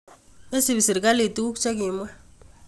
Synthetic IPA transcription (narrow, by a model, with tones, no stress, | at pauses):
e˦si˨bi˨si˨ɾka˦li˨t̪u˦u˦kt͡ʃa˦ki˨mwa˦